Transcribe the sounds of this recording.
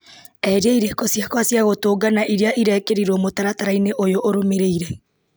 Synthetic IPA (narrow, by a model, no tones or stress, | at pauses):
ɛɾiaiɾekɔsjakwasjaɣotoːɡanaʔiɾeaʔiɾɛːkeɾiɾɔmotaɾataɾaineʔojoʔoɾomeɾeiɾɛ